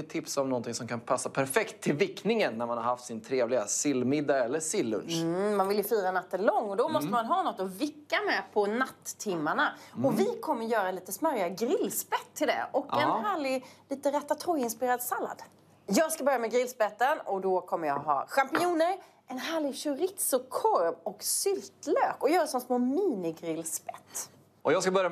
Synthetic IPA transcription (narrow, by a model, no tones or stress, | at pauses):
t̪ʰɪpsɔmnɔnt̪ɪŋsɔmkʰanpʰasːapʰæɾfɛkt̪ʰːɪlvɪkːnɪŋənːæɾmanhaɾhaft̪sɪnt̪ʰɾeːvlɪɡasɪlːmɪd̪ːaɛlːəsɪlːɵ̰nʂmanvɪljɵfyːɾanat̪ːəlɔŋːɔd̪ɔmɔst̪əmanɦɑːnɔt̪ːɔvɪkːamɛpʰɔnat̪ʰːɪmːaɳaɔvɪkʰɔmːəɾjœːɾaliːt̪əsmœɾjaɡɾɪlːspɛt̪ʰːɪld̪ɛ̰ʔɔkɛnɦæːɭɪɡliːt̪əɾɛt̪ːat̪ʰɾɔjɪnspɪɾeːɾad̪salːa̰d̪ | jɑːɡskabœɾjamɛɡɾɪlspɛt̪ːənɔd̪ɔkʰɔmːəɾjɑ̰ːɦɑ̰ːɧampɪuːnəɾ | ɛnɦæːɭɪɡɕʉɾɪt̪sʊkʰɔɾmɔksʏlt̪løːkɔjœːɾasɔnsmoːmiːnɪɡɾɪlspɛt̪ː | ʔɔjɑːskabœɾja